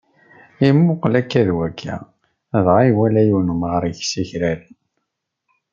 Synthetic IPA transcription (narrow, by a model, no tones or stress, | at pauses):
imːʊqlækːæðwækʰːæ̰ | ðʁiwælæjunəmʁəɾʝsiçɾælən